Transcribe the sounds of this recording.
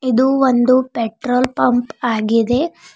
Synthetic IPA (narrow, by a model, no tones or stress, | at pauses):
id̪uʋond̪upeʈɾoːlpɐmpaːɡid̪e̞